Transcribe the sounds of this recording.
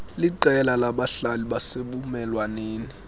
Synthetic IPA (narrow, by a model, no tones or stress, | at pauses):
liǃɛlalaɓaɬaliɓaseɓumɛlwaneːni